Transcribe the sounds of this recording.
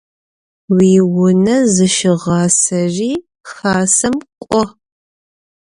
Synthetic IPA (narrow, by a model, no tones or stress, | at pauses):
wiːwʊnɐzɨʃɪʁɑːsɐʒiː | xaːsɐmkʷʼɔ